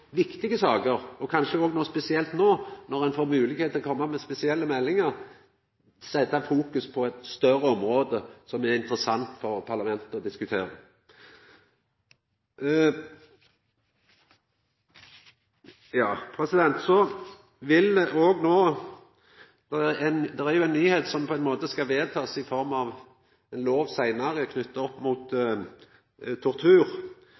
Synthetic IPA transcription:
ʋɪkt̪ɪɡəsɑːɡəʁɔkʰɑnʃəoːɡnoːspɛsɪɛlt̪noːnɔʁɛnfoːʁmʉːlɪɡeːt̪ʰlkʰɔmːɑmɛspɛsɪɛlːəmɛlːɪŋəɾ | sɛt̪ːɑfuːkʉspʰɔɛt̪st̪œɾəɔmɾoːd̪əsɔmæɾɪnt̪ɾəsɑnt̪fɔʁpʰɑʁlɑmɛnt̪əɔd̪ɪskʉt̪ʰeːɾə | jɑːpʰʁɛsɪd̪ɛnt̪sɔ | ʋɪlʔoːɡnoː | d̪̥ɛæænd̪ɛʁæʁjʊɛɪnːyːheːt̪sɔmpʰɔɛɪnmoːt̪əskɑʋeːdt̪ʰɑːsɪfɔʁmɑʋ | ɛnloːʋsæɪnɑʁəkʰnʏt̪ːəɔpːmuːt̪ | t̪ʰːɔʁt̪ʰʉːɾ

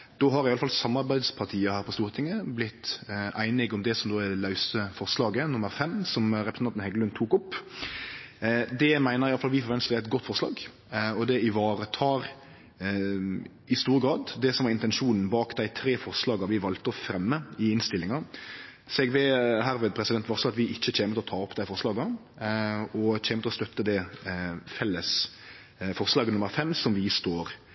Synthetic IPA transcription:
d̪̥oːɦɑɾɪjɑləfɑlsɑmːɑɾbæɪd̪spʰɑʁt̪ʰiːəhæːɾpʰɔst̪uːɾət̪ʰɪŋːəblɪt̪ʔæɪnɪɡɔmd̪ɛsɔmd̪oːɛlɑʉsəfɔʁslɑːɡənʊməɾfɛmsɔmɾɛpɾəsnɑnt̪n̩hɛɡəlʉnt̪ʰuːkʊpː | d̪ɛmæɪnəɾɪjɑlfɑlʋɪːfɔɾʁʋɛnst̪ːæɪt̪̚ɡɔt̪ːfɔɾslɑ̰ːɡ | ɔd̪ɛɪʋɑːɾət̪ʰɑːɾ | ɪst̪uːɾəɡɾɑːd̪d̪ɛsɔmʋɑɾɪnt̪ɛnʂuːnn̩bɑːkd̪æɪt̪ʰɾeːfɔɾslɑːɡɑʋɪʋɑlt̪əɔfɾɛmːəɪɪnst̪ɪlːɪŋɑ | sɛɡʋɛɦæːɾʋɛːd̪̚pʰɾɛsɪd̪ɛnt̪ʋɑɾsɔɑt̪ʋɪʔɪçːəc͡çeːmət̪ɪlɔt̪ʰɑːɔpd̪æɪfɔɾslɑːɡə | ɔc͡çeːmət̪ʰɔst̪œt̪ːəd̪ɛ | fɛlːəs | fɔɾslɑːɡənʊmːəɾfɛmsɔmʋɪst̪oːɾ

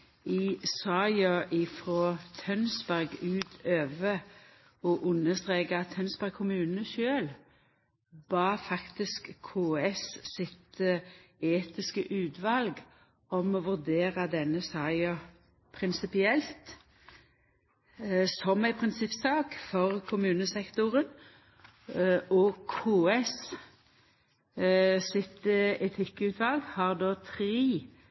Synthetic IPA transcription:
ɪsɑɪɑʔɪfʁoːt̪ʰœnsbæʁɡʉːt̪ʰøːʋə | ɔʔʉnːəst̪ʁeːkəɑt̪ʰːœnsbæʁɡ̚kʰːʊmʉːnnəʃøːl | b̥ɑːfɑkt̪ɪskʰːoːɛssɪt̪əeːt̪ɪskəʔʉːt̪ʋɑlɡ | ɔmɔʋʉʁd̪eːʁɑd̪ɛnːəsɑɪɑ | pʰʁɪnsɪpɪɛlt̪ | sɔmæɪpʰʁɪnsɪpsɑːkfɔʁkʰʊmʉːnəsɛkt̪ʊʁən | ʔɔkʰuːɛs | sɪt̪ɛt̪ʰɪkːʉːt̪ʰʋɑlɡhɑːʁd̪oːt̪ʰʁiː

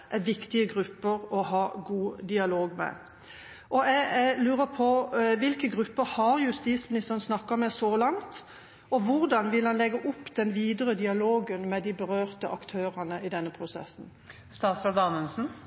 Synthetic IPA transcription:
ʔɛʋɪkt̪ɪəɡʁʉpːəɾɔɦɑːɡuːd̪ɪɑloːɡmɛ̰ | ʔɔɛɡlʉːʁəpʰɔʋɪlkəɡʁʉpːəhɑʁjʉst̪iːt̪smɪnɪst̪əʁənsnɑkːɑmɛsɔlɑŋt̪ | ɔʋʊɾd̪ɑnʋɪlhɑnlɛɡːəʔʊpːd̪̥ɛnʋiːd̪əɾəd̪ɪɑloːɡənmɛd̪ɪbəʁøːʁt̪əʔɑkt̪ʰøːʁənəʔɪd̪ɛnːəpʰʁʊsɛ̰sːn | st̪ɑːsɑld̪ɑːnʉnsn̩

